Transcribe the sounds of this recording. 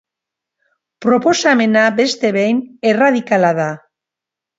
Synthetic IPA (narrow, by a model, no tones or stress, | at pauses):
pɾo̞po̞same̞nabe̞st̪e̞βejne̞raðikalaða